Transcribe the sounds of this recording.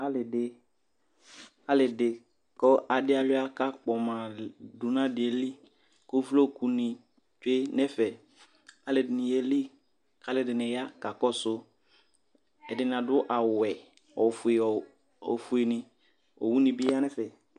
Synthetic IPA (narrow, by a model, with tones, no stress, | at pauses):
a˦lɪ˨dɪ˨ | a˦lɪ˨dɪ˨ | kɔ˦ʔa˨dɪ˦a˨lʊ˦a˦ka˦k͡pɔ˨mã˨du˨nã˦dɪ˨ɛ˨li˦ | ko˦flo˦˨ku˨nɪ̃˨ | t͡ʃe˦nɛ˦fɛ˨ | a˨lɪ˨dɪ˨nɪ˨jɛ˨li˦ | ka˨˦lɪ˨dɪ˨nɪ̃˨ja˦ka˨kɔ˦sʊ˦ | ɛ˨dɪ˨n˨a˨dʊ˦ʔa˨wɛ˨ | ɔ˨fʊ˨e˨ɔ˨ | ɔ̰˨fʊ˨e˨nɪ̃˨ | ɔ̰˨wu˦nɪ̃˨bɪ˦a˦nɛ˦fɛ˨